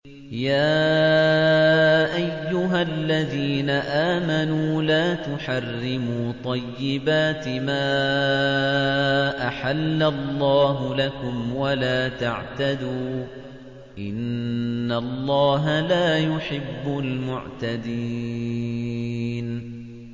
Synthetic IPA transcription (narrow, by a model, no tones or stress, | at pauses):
jaː | ʔajːʊɦalːaðiːnaʔaːmanuːlaːt̪ʊħarːɪmuːt̪ˤɑjːɪbaːt̪ɪmaː | ʔaħalːalˤːɑːɦʊlakʊmwalaːt̪a̰ʕt̪ad̪uː | ʔɪnːalˤːɑːɦalaːjʊħɪbːʊlmʊ̰ʕt̪ad̪i | n